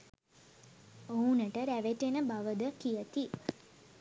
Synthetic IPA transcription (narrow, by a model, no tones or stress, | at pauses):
ounəʈəɾæʋeʈenəbaʋəd̪əkijət̪i